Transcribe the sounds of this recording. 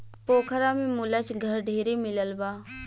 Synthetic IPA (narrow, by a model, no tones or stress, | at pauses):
poːkʰəɾamẽmʊlət͡ʃɡʱəɾɖʱeːɾemɪləlbaː